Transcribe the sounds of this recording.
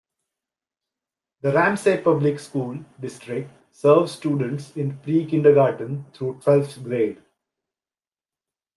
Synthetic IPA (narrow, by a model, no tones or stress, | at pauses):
d̪əɾæ̃mseːpʌblɪkskuːlɖɪsʈɾɪk̚ʈ | səːɾʋzsʈjuːɖə̃ɳʈsɪ̃npɾiːkɪ̃ɳɖəɡaːʈə̃nt̪ʰɾuːʈʋɛlftɡɾeːɖ